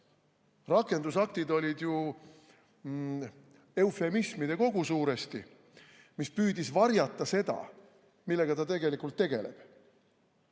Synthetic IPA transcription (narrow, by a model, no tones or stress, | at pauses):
rɑkˑːe̞nd̪usɑk̚t̪id̪o̞lʲid̪ju | e̞ufe̞mismid̪̥e̞ko̞ɡ̥usuːɾe̞st̪i | mispyːd̪isvɑrjɑt̪ˑːɑse̞d̪̥ɑ̰ | milːe̞ɡ̥ɑt̪ɑt̪e̞ɡe̞likult̪ːe̞ɡ̥e̞le̞̰b̥